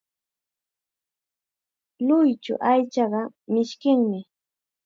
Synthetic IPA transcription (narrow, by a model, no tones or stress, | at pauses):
lʊjt͡ʃʊ̰ʔajt͡ʃɑɢɑ | mɪʃkɪŋmɪ